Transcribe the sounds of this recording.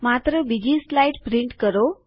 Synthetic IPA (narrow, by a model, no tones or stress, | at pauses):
mat̪ɾəbid͡ʑislajʈpɾiɳʈkəɾo